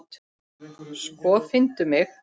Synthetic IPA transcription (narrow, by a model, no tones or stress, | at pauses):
t̪ | skvɔfɪnt̪ʏmɪx